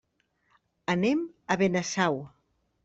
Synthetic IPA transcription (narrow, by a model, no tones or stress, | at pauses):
əneməβenəsaw